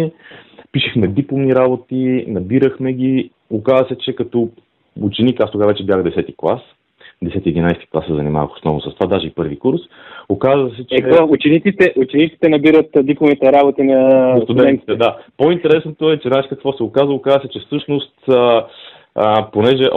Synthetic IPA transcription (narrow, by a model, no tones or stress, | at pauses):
piʃɛxmɛd̪iplˠomniɾabot̪inɐbiɾəxmɛɡi | okazəsɛt͡ʃɛkɐt̪ɔ | ut͡ʃɛnikast̪oɡavɛt͡ʃɛbjaxd̪ɛsɛt̪iklˠa̰s | d̪ɛsɛt̪iɛd̪inajst̪i̥klˠasɛzɐ̰nima̰və̰xo̥snɔ̰vnosɐst̪ovad̪aʒɛipɤɾvikuɾs | okazvəsɛt͡ʃɛɛɔut͡ʃɛnit̪it̪ɛʔut͡ʃɛnit̪si̥t̪ɛnɐbiɾət̪d̪iplˠovnit̪ɛɾabot̪inɐst̪uʊd̪ɛɛ̃nnt̪i̥t̪ɛd̪apoint̪ɛɾɛsnot̪oɛt͡ʃɛnaʃkɐkvɔsɛʊkazəʊkazəsɛt͡ʃɛfsɤʃnost̪ə | ponɛʒɛʔ